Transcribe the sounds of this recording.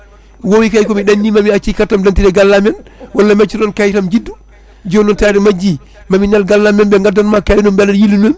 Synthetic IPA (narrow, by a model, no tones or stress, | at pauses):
wowikajkɔmiɗanːimamiat͡ʃːikatːamdantiɾɛɡalːamɛnwalːamat͡ʃːinɔnkajtamd͡ʒidːu | d͡ʒɔnɔntaɾɛmad͡ʒːi | mamiɲalɡalːamɛnbɛŋɡadːanmakajnɔmbɛnajilːunɔm